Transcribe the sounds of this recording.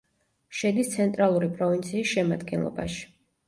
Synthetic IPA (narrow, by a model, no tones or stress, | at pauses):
ʃɛd̪ist̪sʰɛnt̪ʼɾalˠuɾipʼɾɔvint̪sʰiːsʃɛma̰d̪ɡɛ̰nlˠɔ̰ba̰ʃi̥